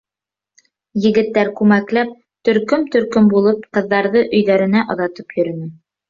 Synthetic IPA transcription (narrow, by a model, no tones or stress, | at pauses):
jɘ̆ɡɘ̆t̪ːæɾkʉmæklæp̚ | t̪ɵ̆ɾkɵmt̪ɵ̆ɾkɵmbulˠɤpqɤ̆ðːɑɾðɤʔɵ̆jðæɾɘ̆næʔɑ̆ðɑt̪ɤpjɵ̆ɾɵ̆nɘ